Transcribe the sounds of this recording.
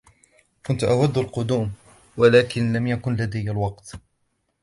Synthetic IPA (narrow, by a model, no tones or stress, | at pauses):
kʊnt̪ʔawad̪ːalqʊd̪uːm | walaːkɪnlamjakʊnlad̪ajːalwɑqt̪